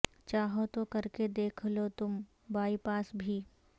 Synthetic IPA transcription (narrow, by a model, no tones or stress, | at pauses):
t͡ʃaːɦot̪okɐɾked̪eːkʰlot̪ʊm | baːipaːsbʱiː